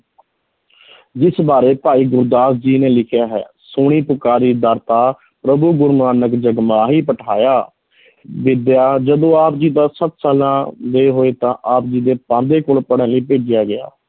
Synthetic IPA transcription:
d͡ʒɪsbaːɾeːpaːiːɡʊɾd̪aːsd͡ʒiːneːlɪkʰjaːɦɛ̰ːsʊːɽ̃iːpʊkaːɾiːd̪əɾt̪aː | pɾəbuːɡʊɾmaːnəkd͡ʒəɡmaːɦiːpəʈʰaːjaː | ʋɪd̪jaːd͡ʒəd̪õːaːpd͡ʒiːd̪aːsəpsaːlãːd̪eːɦoːeːt̪ãːʔaːp̚d͡ʒiːd̪eːpãːnd̪eːkoːlpəɽãːləiːpeːd͡ʒɪjaːɡɪja̰ː

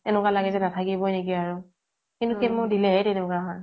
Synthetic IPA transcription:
ɛnʊkalaɡɛzɛnatʰakibɔjnekiaɹu | kintuxemʊdilɛɦɛtɛnʊkaɦɔɹ

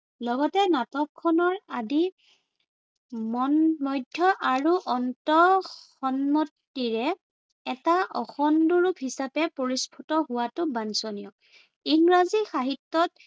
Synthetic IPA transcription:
lɔɡɔtɛnatɔkʰːɔnɔɹadi | mɔnmɔjdʱjɔʔaɹuʔɔntɔxɔnmɔtːiɹɛ | ɛtaʔɔxɔnduɹupɦisapɛpoɹispʰutɔɦʊwatʊbansonijɔk | iŋɡɹazixaɦitːɔt̚

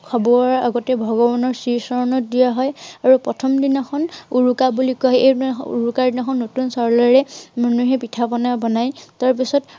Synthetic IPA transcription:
kʰɔbɔɔɹɹa̰ɡɔtɛbʱɔɡɔbɔnɔɹsiɹsɔɹɔnɔtdijaɦɔjaɹupɹɔtʰɔmdinɔxʰɔnuɹukabulikaɦɛʔejṵɹukaɹdinɔxʰɔnːotunsɔɹlɔɹɛmanuɦɛpitʰapɔnabɔnajtaɹp̬isɔt

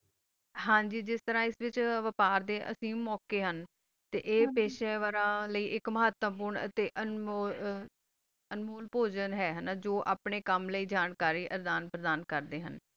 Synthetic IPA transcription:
ɦãːd͡ʒiːd͡ʒɪst̪əɾãːɪsʋɪt͡ʃʋəpaːɾd̪eːʔə̰sĩːmɔːkeːɦən | t̪ḛːʔeːpeːʃeːʋaːɾãːləiːʔɪkməɦət̪ʋəp̬uːɾɳə̰t̪eːʔənː | ənmoːlpoːd͡ʒənɦɛːɦənaːd͡ʒoːʔaːpɳeːkəmləiːd͡ʒaːnkaːɾiːʔəɾd̪aːnpɾəd̪aːnkəɾd̪eːɦə̰n

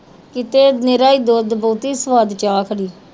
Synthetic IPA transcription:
kɪt̪eːnɪɾaːiːd̪oːd̪boːt̪iːsʋaːd̪t͡ʃaːkʰəɽiː

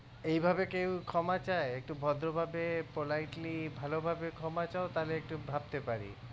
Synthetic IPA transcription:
ejbʱabekewkʰɔmat͡ɕaeek̚ʈubʱɔd̪ɾobʱabepolajʈlibʱalobʱabekʰɔmat͡ɕaot̪aleek̚ʈubʱab̚t̪epaɾḭ

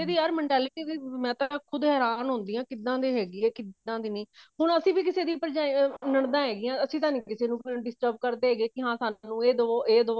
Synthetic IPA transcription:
eːd̪iːəɾmɛ̃ːɳʈɛːlɪʈiːd̪iːmɛ̃ːt̪ãkʰʊd̪ɦɛːɾaːnɦʊ̃nd̪iːãːkɪd̪ːãːd̪eːɦɛːɡiːɛːkɪd̪ãːd̪iːnĩːɦʊnəsĩːbiːkɪseːd̪iːpəɾd͡ʒaːinəɳd̪ãːɦɛːɡiːãːəsĩːt̪ãːnĩːkɪseːnũːklɳɖɪsʈəɾbkəɾd̪eːɦɛːɡeːkɪɦãːsaːnũːeːd̪oːeːd̪oː

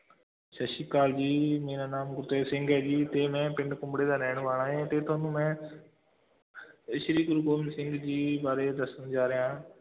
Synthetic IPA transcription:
ʃɐʃikaːld͡ʑiːmĩːnaːnaːmɡʊɾt̪eːsɪ̃ŋɡɛːd͡ʑiːt̪eːmẽpɪɳɖkʊ̃mbɽeːd̪aːnɛːɽ̃ʋaːɳaːẽɛ̃ːt̪eːt̪ʰoːnũːmẽː | ɪʃɾiːɡʊɾɡoːmsɪ̃ŋɡd͡ʑiːbaːɾed̪ɐsənd͡ʒaːɾɪjãː

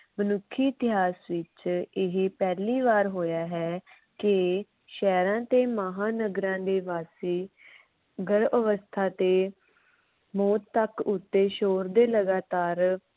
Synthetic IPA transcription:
mənʊkʰːiːɪt̪ɪɦaːsʋɪt͡ʃɪɦpɛːliːʋaːɾɦoːjaːɦɛː | kɪ | ʃɛːɾãːt̪eːməɦaːnəɡɾãːd̪eːʋaːsiː | ɡəɾʔəʋəst̪ʰaːt̪eː | mɔːt̪ːəkʊt̪ːeːʃoːɾd̪eːləɡaːt̪aːɾ

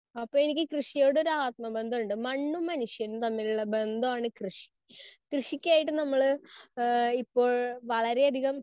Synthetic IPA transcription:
ɐpːoːe̞nikʲːɨkrɨʂijo̞ːɽeoɾuaːt̪̚mɐbe̞nd̪ʱɐmuɳɖɨmɐɳːumːɐnuʂjɐnut̪ɐmːiluɭːɐbe̞nd̪ʱɐaːɳɨkrɨʂi̥ | krɨʂikʲːaːjiʈ̬ːɨnɐmːɐɭ | ipːo̞ːɭʋɐɭɐɾe̞ɐd̪ʱiɣɐm

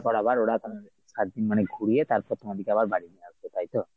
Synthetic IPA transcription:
bɔɽabaɾoɽat̪a | sat̪̚d̪inmaneɡʱuɽiet̪aɾpɾɔt̪ʰɔmed̪ikeabaɾbaɽid̪iasbɔt̪ʰajt̪ɔ

